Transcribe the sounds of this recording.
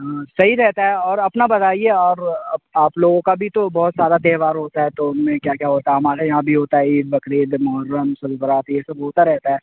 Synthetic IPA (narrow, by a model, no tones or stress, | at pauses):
sɐɦiɾɛɦt̪aɦɛɔːɾɐpnabɐd̪aːieɔːɾɐbaːploːɡõkabʱit̪obɔːt̪zjaːd̪at̪eːɾʋaːɾɦoːt̪aɦɛt̪oʊnmẽkjaːkjaːɦoːt̪aɛɦɐmaːɾajɐɦãbʱiɦoːt̪aɦɛiːbɐkɾeːd̪mʊɦəɾːəmːʊsəlbəɾaːt̪jesɐbɦoːt̪aɾɛɦt̪aɦɛː